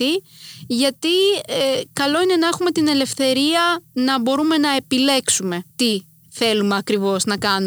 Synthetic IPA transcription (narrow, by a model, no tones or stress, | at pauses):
iʝɐt̪iekɐlo̞ine̞nɐe̞xume̞t̪ine̞le̞fθe̞ɾiɐnɐbo̞ɾume̞nɐe̞pile̞ksume̞t̪i | θe̞lumeɐkɾivo̞znɐkɐnu